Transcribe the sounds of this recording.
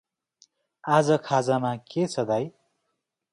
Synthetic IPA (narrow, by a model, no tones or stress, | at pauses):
ad͡zʌkʰad͡zamaket͡sʰʌd̪aj